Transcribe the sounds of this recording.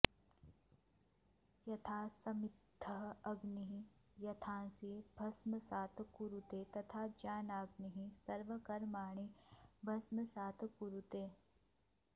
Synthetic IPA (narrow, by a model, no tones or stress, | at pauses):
jɐt̪ʰaːsɐmɪt̪ʰːɐɦɐɡniɦijɐt̪ʰãːnsibʱɐsməsaːt̪ʰkuɾut̪eːt̪ɐt̪ʰaːd͡ʒaːnaːɡniɦisɐɾʋəkɐɾmaːɳ̃ibʱɐsməsaːt̪ʰkuɾut̪eː